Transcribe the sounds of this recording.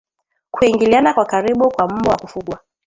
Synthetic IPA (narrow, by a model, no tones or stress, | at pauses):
kuiŋɡilianakwakaɾiɓukwam̩mɔwakufuɠwa